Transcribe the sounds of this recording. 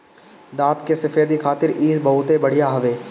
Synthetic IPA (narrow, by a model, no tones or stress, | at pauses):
d̪aːt̪kesɐfʰeːd̪ikʰaːt̪ɪɾiːsbɐɦʊt̪ebɐɽ̤ijaɦɐʋeː